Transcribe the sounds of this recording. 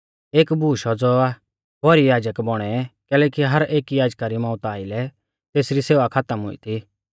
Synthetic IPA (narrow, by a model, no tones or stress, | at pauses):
eːkbʱuːʃɔd͡zɔa | bɔɾijaːd͡ʒəkbɔɽ̃ɛkɛːlɛːkiɦɐɾeːkijaːd͡ʒkaɾimɔ̃ːʊt̪aːɪlɛ | t̪eːsɾiseːʋakʰat̪əmɦʊ̰ḭt̪ʰi